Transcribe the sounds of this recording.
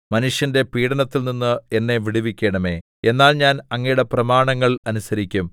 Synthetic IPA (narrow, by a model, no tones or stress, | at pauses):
mɐnuʂjɐnde̞piːɽɐnɐt̪ːilninːɨenːe̞ʋiɽiʋikʲːeːɳɐme̞ː | e̞nːaːlɲaːnɐŋːɐjuɽe̞prɐmaːɳɐŋːɐɭɐnusɐɾikʲːum